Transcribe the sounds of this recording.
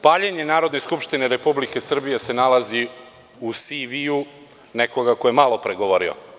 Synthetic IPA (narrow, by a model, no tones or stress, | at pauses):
paːʎeɲe̞naːɾo̞d̪ne̞skupʃt̪ineɾe̞publike̞sr̩bije̞se̞nalazi | usiʋiu | nekoɡako̞jemalˠo̞pɾeɡoʋoɾio̰